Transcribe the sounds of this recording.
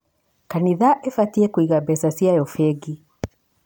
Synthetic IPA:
kaniðaʔɛfatiɛkwiɣabɛsasiajɔfɛɡi

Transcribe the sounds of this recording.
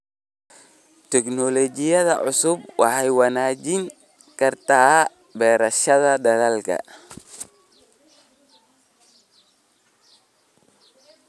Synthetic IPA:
t̪ʰɛknɔlɔt͡ʃɪjɐðɐ̰ʕʊsʊbwɑ̰ħɛjwɑnaːt͡ʃɪŋ | kʰɐrt̪ʰaː | bɛːɾɐʃɐðɐd̪ɐðalkʰɐ̰

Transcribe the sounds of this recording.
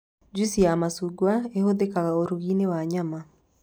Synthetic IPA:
d͡ʒisijamasuɡwaehoðekaɣaoɾuɣinewaɲama

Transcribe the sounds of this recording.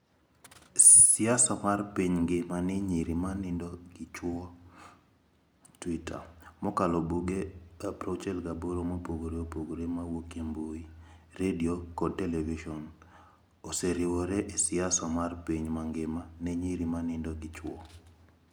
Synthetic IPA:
sɪasɔmarpiɲŋɡɪmanɛɲiɾimanɪndɔɡɪt͡ʃwɔ | twitʰa̰mɔkalɔbuɡeapɾot͡ʃɛlɡaboɾomopoɡoɾeopoɡoɾemawokemboi | ɾediokɔd̚tɛlɛviʃɔn | oseɾɪwɔɾɛʔesɪasɔmarpiɲmaŋɡɪmanɛɲiɾimanɪndɔɡɪt͡ʃwɔ̰

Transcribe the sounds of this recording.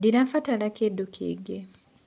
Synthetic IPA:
diɾafatalakedukʰḛːɡe

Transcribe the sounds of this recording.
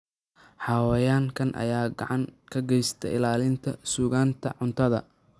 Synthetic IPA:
ħɑːwɛjaːŋkʰɐnʔɐ̰jaːɡɑʕɑŋkʰɐɡɛjst̪ʰɛ̰ɪlaːlɪnt̪ʰɐsuːɣaːnt̪ʰɐ̰ʕʊnt̪ʰɐðɐ̰

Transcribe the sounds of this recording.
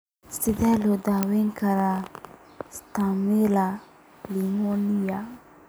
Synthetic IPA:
sid̪alod̪aweŋkaɾa | st̪amila | limonija

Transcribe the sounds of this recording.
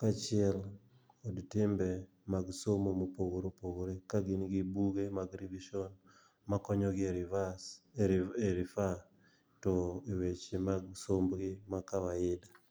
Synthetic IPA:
kat͡ʃɪɛl | odtɪmbɛ | maɡsomomopowoɾopowoɾekaɡɪnɡibuɡemaɡɾiviʃɔn | makɔɲɔɡɪeva | eɾifa | tɔewet͡ʃemaɡsombɡɪmakawaɪda

